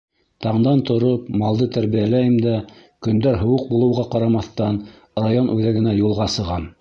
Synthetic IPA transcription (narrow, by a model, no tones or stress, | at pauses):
t̪ɑɴd̪ɑnt̪ŏɾopmɑlˠd̪ɤt̪æɾβijælæjɘmd̪æ | kɵ̆nd̪æɾɦŏwɤq̚bulˠɤ̆wʁɑqɑɾɑmɑθt̪ɑn | rajonʔʉðæɡɘ̆næjulˠʁɑsɤ̆ʁɑm